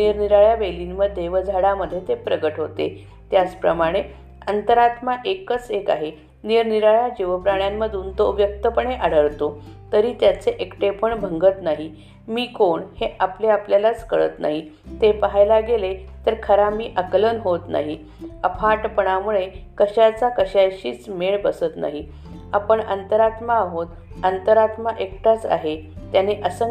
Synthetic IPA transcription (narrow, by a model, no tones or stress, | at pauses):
niɾniɾaɭjaʋelinməd̪ʱːeʋəd͡zʱaɽaməd̪ʱjet̪epɾəɡəʈɦot̪ḛ | t̪jat͡spɾəmaɽ̃e | ənt̪əɾat̪maʔekət͡seka̰ɦe | niɾniɾaɭjad͡ʑiʋəpɾaɳjamːəd̪ʱunt̪oʋjək̚t̪əpəɳeʔaɽəɭt̪ot̪əɾiːt̪jat͡seʔekʈepəɳbʱəŋɡət̪naɦi | miːkoɳheʔapleapljalat͡skəɭə̰t̪na̰ɦi | t̪epəɦajlaɡelet̪əɾkʰəɾamiːʔəklənɦot̪na̰ɦi | əpʰaʈpəɳ̃amuɭekəɕat͡sakəɕajɕiːt͡smeɭbəsət̪na̰ɦi | apəɳə̰nt̪əɾat̪maːɦot̪ | ənt̪əɾat̪maʔekʈat͡sa̰ɦet̪janeʔəsə